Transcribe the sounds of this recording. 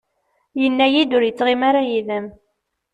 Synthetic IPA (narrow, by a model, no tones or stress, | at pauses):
jənːæjid̪ʊɾjət͡sːʁimaɾajiðəm